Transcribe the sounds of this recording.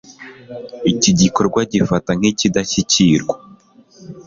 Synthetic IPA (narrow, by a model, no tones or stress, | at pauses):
iciɟiko̞ɾɡwaɟifataŋ̥hicidaçiciɾɡwḁ